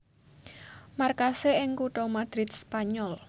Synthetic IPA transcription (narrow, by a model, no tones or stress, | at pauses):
markaseɪŋkuʈɔmad̪̥ɾɪt̪̚spaɲɔl